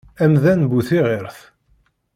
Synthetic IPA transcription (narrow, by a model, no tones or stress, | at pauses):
æmðænbuθiʁeɾθ